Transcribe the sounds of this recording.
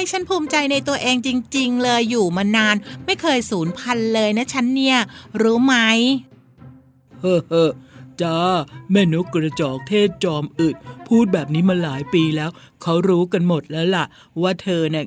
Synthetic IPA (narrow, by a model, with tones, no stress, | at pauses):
a˥˩jt͡ɕʰa˦˥npʰuː˧˩mt͡ɕa˧jna˧jt̪u˧ɐʔeː˧ŋt͡ɕi˧ŋt͡ɕi˧ŋlɤː˧jːuː˨˩maː˧naː˧nma˥˩jkʰɤː˧jsuː˩˦npʰa˧nlɤː˧jna˦˥t͡ɕʰa˦˥nːi˦˥˩ɐɾuː˦˥ma˦˥j | hɤː˧˩hɤː˧˩t͡ɕaː˦˥˩meː˧˩nu˦˥kɾa˧t͡ɕɔː˨˩k̚t̪ʰeː˥˩t̪̚t͡ɕɔː˧mʔɯ˨˩t̪̚pʰuː˥˩t̪̚bɛː˨˩p̚niː˦˥ma˧laː˩˦jpiː˧lɛː˦˥w | kʰa˦˥wɾuː˦˥ka˧nmo˨˩t̪̚lɛː˦˥wla˨˩ʔ | waː˥˩t̪ʰɤː˧na˥˩